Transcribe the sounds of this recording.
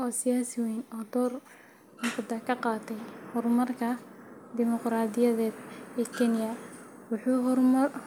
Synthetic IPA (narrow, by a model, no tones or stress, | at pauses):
ʔɔːsɪjaːsɪwɛjnɔːd̪ɔːr | mʊfd̪ɐkʰɐqɑːt̪ʰɛjhɔrmɐrkʰɐd̪ɪmɔqɾaːd̪ɪjɐðɛːd̪ɛːkʰɛnɪjɐwʊħuːɦɔrmɐr